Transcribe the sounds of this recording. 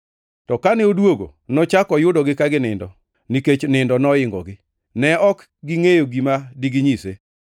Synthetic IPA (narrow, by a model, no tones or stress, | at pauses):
tɔkanɪodwoɡo̰ | nɔt͡ʃakɔjʊdɔɡɪkaɡɪnɪndɔ | niket͡ʃnɪndɔnɔɪŋɡɔ̰ɡɪ | nɛɔk | ɡiŋejoɡimadiɡɪɲise